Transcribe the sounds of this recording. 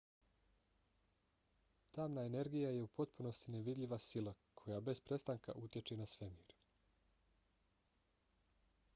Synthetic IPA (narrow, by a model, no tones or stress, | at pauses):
t̪aːmnaene̞ɾɡijaje̞upo̞t̪puno̞st̪ineʋid̪ʎʲiʋasilˠakʰo̞jabe̞spɾe̞st̪aŋka̰ʔut̪je̞t͡ʃenasʋe̞miːɾ